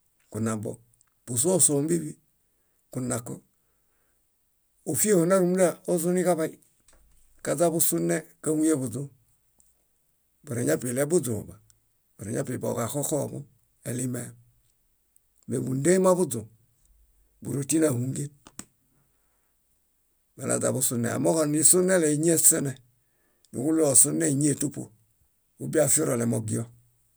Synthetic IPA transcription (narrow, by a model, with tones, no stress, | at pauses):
ku˨na˨bɔ̰˨ | bu˨s̬u˦o˦so˨m˦bi˦bi˦ | ku˨na˨kɔ˦ | o˨fi˦e˦ho˨na˦ɾu˨m˦da˦˨o˦zu˦ni˦ka˦βa˦i˦ | ka˨d͡za˦bu˦su˦nɛ˦ka˦mu˦je˦bu˨d͡zu˦ | bu˨ɾe˨ɲa˦pi˨lɛ˦bu˦d͡zo̰˨ba˨ | bu˨ɾḛ˨ɲa̰˦pi˨bo̰˨ka˨ko˦ko̰˦˨bṵ˦ | e˨li˦mɛ˦˨ | mḛ˨bu˨n˦de˦i˦ma˦bu˦d͡zu˨ | bṵ˨ɾo˨ti˦na˨hu˦ŋ˦ɡi˦n | ba˨a̰˨d͡za̰˨bu˦su˦nɛ̰˨a̰˨mo˦kɔ˨ni˨su˦nɛ˦lɛ˨i˨˦ɲ˦e˦sɛ˦nɛ˨ | nṵ˨ku˦lo˨su˦ne˦i˨ɲ˦e˦˨tu˦po̰˨ | u˦bi˦a˦fi˦ɾɔ˨lɛ˨mo˨ɡi˦ɔ˦